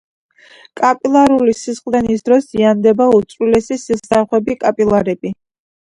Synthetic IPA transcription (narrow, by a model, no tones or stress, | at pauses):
kʼapʼilˠaɾulisisχʼlˠd̪ɛnis̬d̪ɾɔsziand̪ɛbaut̪sʼɾwilɛsisilsaχwɛbikʼapʼilˠaɾɛbi